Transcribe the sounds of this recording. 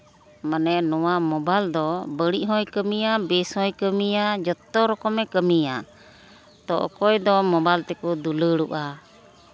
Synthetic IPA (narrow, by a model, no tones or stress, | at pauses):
manɛnɔwamɔbald̪ɔbəɽiʔ̚ˀɦɔjkəmijabɛsɔjkəmijad͡ʒɔt̪ːɔɾɔkɔmɛkəmija | t̪ɔʔɔ̰kɔjd̪ɔmɔbalt̪ɛkɔd̪uləɽuʔa